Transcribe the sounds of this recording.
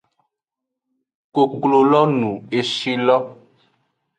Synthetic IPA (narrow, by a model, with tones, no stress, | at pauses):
ko˨klo˨lɔ˦nũ˨e˨ʃi˦lɔ˦